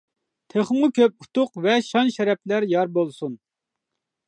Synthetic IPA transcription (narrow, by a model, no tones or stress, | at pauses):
t̪ʰeχmʊkʲʰøp̚u̥t̪ʰʊqvɛʃɑnʃɛɾɛplæɾjɑɾbolˠsun